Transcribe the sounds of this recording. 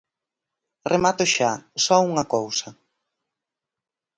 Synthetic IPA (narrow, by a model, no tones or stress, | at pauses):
remat̪ʊʃasɔuŋɐkowsɐ